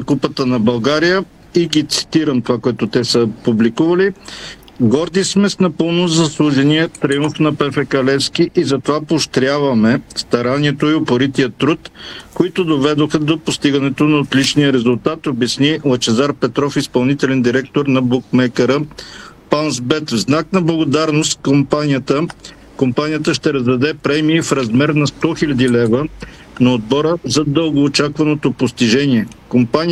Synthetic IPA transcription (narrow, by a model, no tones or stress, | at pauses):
kupət̪ənɐbɐlˠɡaɾijə | iɡit̪si̥t̪iɾəmt̪ovakoɛt̪ot̪ɛsəpublikuvɐli | ɡɔɾd̪ismɛsnɐpɤlˠnozɐslˠuʒɛniət̪ɾiuɱfnɐpɛfɛkɐlɛfskiʔizɐt̪ovapoʃt̪ɾʲjavɐmɛst̪ɐɾaniɛt̪oiopoɾit̪ijət̪ːɾut̪koit̪ʊd̪ovɛd̪oxəd̪opost̪iɡɐnɛt̪onɐot̪lit͡ʃnijəɾɛzʊlˠt̪at̪obɐsnilˠɐt͡ʃɛzaɾpɛt̪ɾɔfispɐlˠnit̪ɛlɛnd̪iɾɛk̚t̪oɾnɐbukmɛkəɾəpansbɛt̪vznaknɐblˠɐɡod̪aɾnost̪kompanijət̪ə | kompanijət̪əʃt̪ɛɾɐzd̪ɐd̪ɛpɾɛmiːfɾɐzmɛɾnɐst̪ɔxilʲɐd̪ilɛvə | nɐod̪̚bɔɾəzɐd̪əlˠɡoːt͡ʃakvɐnot̪opost̪iʒɛniɛkompanʲi